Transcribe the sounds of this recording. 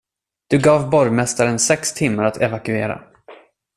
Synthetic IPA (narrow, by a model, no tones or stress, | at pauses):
d̪̥ɵɡɑːvbɔɾjmɛst̪aɾənsɛkst̪ʰɪmːaɾat̪ʰɛvakɵeːɾa̰